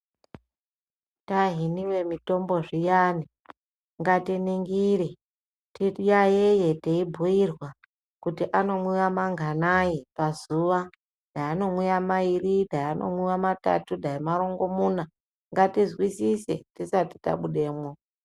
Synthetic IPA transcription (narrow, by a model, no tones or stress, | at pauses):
taɦiniwe̞mito̞mbo̞ʐijani | ŋɡatiniŋɡiɾe | tijajeje̞teibʱuirwa | kutiʔano̞mwuwamaŋɡʱanajipazuʋa | d̥ʱajano̞mwujamairidʱajano̞̰mwuwamata̰tudʱaimaɾo̞ŋɡo̞muna | ŋɡatizwisise̞̰tisati̥ta̰ɓuɗe̞ːmwo